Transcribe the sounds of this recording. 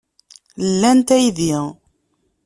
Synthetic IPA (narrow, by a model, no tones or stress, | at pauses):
lːænt̪æjðiʁ